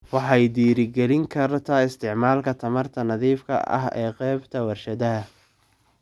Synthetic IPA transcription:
wɑħɑjd̪iːɾɪɡɛɾɪŋkʰɐɾt̪ʰaːɪst̪ʰɪʕmaːlkʰɐt̪ʰɐmɐrt̪ʰɐnɐðiːfkʰɐ̰ʔɐ̰ɦɛ̰ːqɛːbt̪ʰɐwɐrʃɐðɐɦɐ

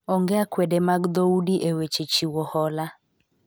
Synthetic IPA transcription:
ɔŋɡɛakwɛdemaɡd̪ɔudiʔewet͡ʃet͡ʃiwɔhɔla

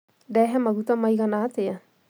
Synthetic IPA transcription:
dɛɦɛmaɡut̪amajɡanaːt̪ɪja

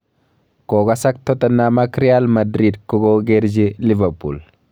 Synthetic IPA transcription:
koːɡɐsɐk̚t̪ɔt̪ɐnːaːmakɾɪaːlmɐd̪ɾiːd̪kɔɡoːɡeɾd͡ʒelɪvɐɾpṵːl

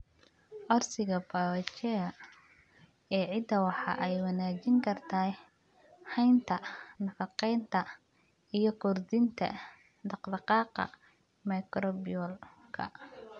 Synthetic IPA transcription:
ʔɔrsɪɣɐbaɐt͡ʃɛɐ | ɛːʕɪd̪ɐwɑħɑ̰ʔɛjwɑnaːt͡ʃɪŋkʰɐrt̪ʰaː | hɛjnt̪ʰɐnɐfɑqɛjnt̪ʰɐ | ijɞkʰʊrd̪ɪnt̪ʰɐ̰ | d̪ɑqd̪ɑqɑːqɑ̰ | mɐjkɾɔbɪjɔlkʰɐ̰

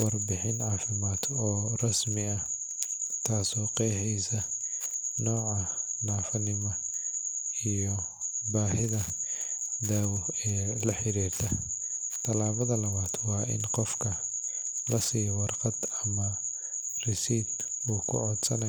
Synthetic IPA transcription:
wɑrbɪħɪnʕɑːfɪmaːt̪ʰɔːrɐsmɪɐ | t̪ʰaːsɔːqɛːħɛjsɐ | nɔːʕɑnaːfɐnɪmɔ | ijɔ | baːhɪðɐ | d̪aːwɔɛːlɐħɪɾiːrt̪ʰɐ | t̪ʰɐlaːβɐðɐlɐβaːd̪wɑːʔɪ̰nqɔfkʰɐ | lɐsiːjwɑrqɑd̪ɐmɐ | rɪsiːd̪ | uːkʰʊ̰ʕɔd̪sɐnɐ

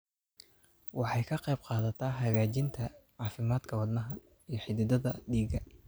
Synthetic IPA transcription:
wɑħɑjkʰɐqɛjbqɑːðɐt̪ʰɐːɦɐɣaːt͡ʃɪnt̪ʰɐʕɑːfɪmaːd̪kʰɐwɑd̪nɐɦɐ | ijɞħɪd̪ɪd̪ɐðɐd̪iːɡɐ

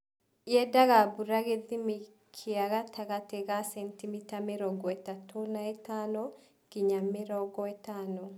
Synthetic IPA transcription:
jɛdaɣabuɾaɣeðimi | kʰiaɣatʰaɣatɛɡasɛntimitameɾɔɡɔɛtatʰonaɛtanɔ | ɡ̥iɲameɾɔɡɔɛtanɔ

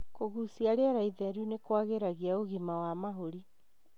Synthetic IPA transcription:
koɣusiaɾeaɾaiðɛɾunekwaɣeɾaɣiaoɣimawamaɦoɾi

